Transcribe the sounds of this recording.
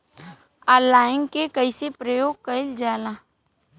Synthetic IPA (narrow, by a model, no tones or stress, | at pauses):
alaːɪnkekəɪsepɾəjoːɡ̚kəɪld͡ʒaːlaː